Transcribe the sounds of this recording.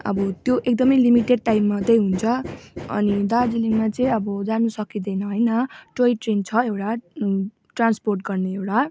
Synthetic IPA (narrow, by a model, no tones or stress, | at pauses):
ʌ̰bʌt̪joʔek̚d̪ʌmʌjlimiʈeɖ̚ʈajmːat̪ʌjɦunt͡sʰʌʌ̰nid̪ad͡ziliŋmat͡sʌ̃ĩʌbʌd͡zanusʌkid̪ʌjnʌɦʌjnʌʈoiʈrent͡sʰʌewʈa | ʈransporʈɡʌrneewʈa